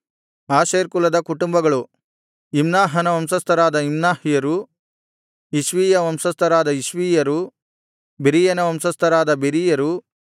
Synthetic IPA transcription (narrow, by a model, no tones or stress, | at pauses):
aːʃeːɾkulɐd̪ɐkuʈumbɐɡɐɭu | imnaːɦɐnɐʋɐmsɐst̪ɐɾaːd̪ɐimnaːhijɐɾu | iʃʋiːjɐʋɐmsɐst̪ʰɐɾaːd̪ɐiʃʋiːjɐɾu | beɾijɐnɐʋɐmsɐst̪ʰɐɾaːd̪ɐbeɾijɐɾu